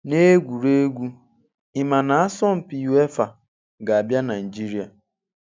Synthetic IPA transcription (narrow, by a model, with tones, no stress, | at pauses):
ne˦ɡʷu˨ɾe˦ɡʷu˦ | ɪ˨ma˨na˨a˦sɔ˦m̩˨pi˨ju˨˦e˦fa˨ | ɡa˨a˨bja˦na˨i˨d͡ʒi˦ɾi˨a˨